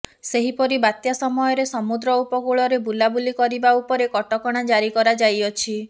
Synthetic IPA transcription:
seɦipɔɾibat̪jasɔmɔjɔɾesɔmud̪ɾɔupɔɡuɭɔɾebulabulikɔɾibaupɔɾekɔʈɔkɔɽ̃ad͡ʒaɾikɔɾad͡ʒajɔt͡ʃʰi

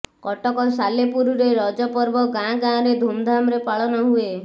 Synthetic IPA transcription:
kɔʈɔkɔsalepuɾuɾeɾɔd͡ʒɔpɔɾbɔɡãɡãɾed̪ʱumd̪ʱamɾepaɭɔnɔɦue

